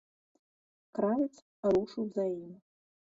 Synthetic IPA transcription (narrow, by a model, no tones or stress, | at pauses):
kɾavʲɛt̪s | ɾuʂɨwzajim